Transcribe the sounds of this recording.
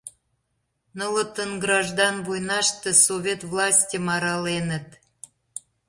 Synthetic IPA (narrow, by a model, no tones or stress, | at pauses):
nələt̪ənɡɾɑʒd̪ɑnvujnɑʃt̪ĕsovʲet̪vlɑsʲtʲəmɑɾɑlenə̆t̪